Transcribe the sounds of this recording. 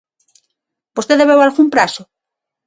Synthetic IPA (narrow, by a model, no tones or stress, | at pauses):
bost̪eðeβewalɣumpɾasʊ